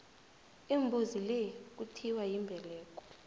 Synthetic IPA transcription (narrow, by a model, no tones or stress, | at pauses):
imbʱuzilek̬utʰiwajimbʱɛlɛːk̬ʼɔ̥